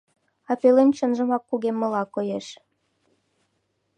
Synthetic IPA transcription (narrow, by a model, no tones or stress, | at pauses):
ɑpelent͡ɕənʒə̆mɑkːuɣemːə̆lɑkojeʃ